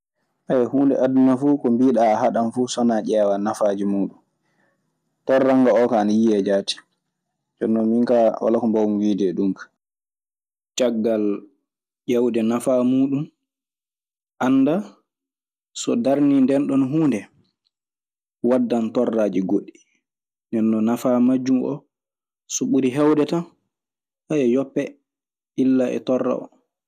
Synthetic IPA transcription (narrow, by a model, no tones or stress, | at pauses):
ʔahuːndɛ̰ʔadunafuːkɔmbiːɗaːhaɗanfusɔnaʄɛːwanafad͡ʒimuːɗum | tɔrːaŋɡaɔkaːnajiɛd͡ʒaːti̥ | d͡ʒɔnːɔmiŋkawa̰lakɔmbawumwiːdɛɗumkḁ | t͡ʃaɡːal | ʄawdɛnafaːmuːɗum | ʔanːda | sɔ̰daɾnindɛnɗɔnɦuːndɛ | wadːantɔrːaːd͡ʒiɡoɗːi | ndɛnːɔnafaːmad͡ʒːumʔɔ̰ | sɔɓuɾiɦɛwdɛta | hajɛjɔpːɛ | ilːaʔɛ̰tɔrːa̰ɔ̰